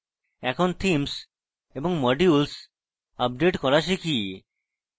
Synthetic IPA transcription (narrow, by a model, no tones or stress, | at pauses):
ɛkʰont̪ʰims | eboŋmɔɖiuls | ap̚ɖeʈkɔɾaʃʰeki